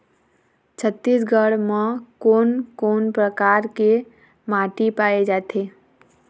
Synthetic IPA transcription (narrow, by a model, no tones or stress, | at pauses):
t͡ʃʰət̪ːisɡʱəɽmekoːnkoːnpɾəkaɾke | maʈipaed͡ʒat̪ʰe